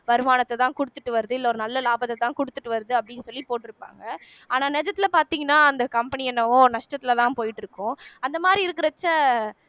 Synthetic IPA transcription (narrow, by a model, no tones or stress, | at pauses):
ʋɐɾɯmaːnɐt̪ːɛt̪ãːkʊɽɯt̪ːɯʈːɯʋɐɾɯðɯɪlːɐɔɾɯnɐlːɐlaːbɐt̪ːɛt̪ãːkʊɽɯt̪ːɯʈːɯʋɐɾɯðɯɐpːɐɽɪnːɯsɔlːipoːʈːɪɾɯpːa̰ːŋɡɐ | aːnaːnɛd͡ʒɐt̪ːɪlɐpaːɾt̪iːŋɡɐnːaːɐnd̪ɐkɐmpɐnɪɛnːɐʋʊ̃nɐʂʈɐt̪ːɪlɐt̪ãːpoːjɪʈːɪɾɯkːʊ̃ɐnd̪ɐmaːd̪ɾiɪɾɯkːɪɾɐt͡ʃːɐ